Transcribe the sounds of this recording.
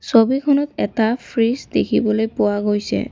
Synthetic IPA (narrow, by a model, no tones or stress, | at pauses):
sobikʰɔnɔtɛtapʰɹisdekʰibɔlojpʊwaɡojsɛ̰